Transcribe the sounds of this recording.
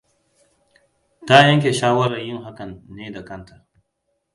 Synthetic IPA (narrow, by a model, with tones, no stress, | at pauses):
ta˦jɐ˦ŋk̬ʲeː˨ʃaː˦wɐ˦ɾɐ˨jɪ˦ŋɦa˦kɐ˨nːeː˦da˨kɐ˦ntʰɐ˨